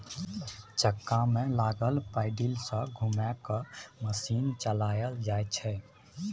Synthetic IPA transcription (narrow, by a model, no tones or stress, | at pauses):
t͡ʃəkːamẽlaɡəlpaɪɖilsə̃ɡʱumakəməsiːnt͡ʃəlajəld͡ʒajt͡ʃʰɛ